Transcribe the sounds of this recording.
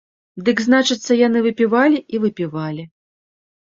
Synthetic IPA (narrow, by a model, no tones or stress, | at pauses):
d̪ɨɡznat͡ʂɨt̪sːɐjanɨvɨpʲivalʲiivɨpʲivalʲi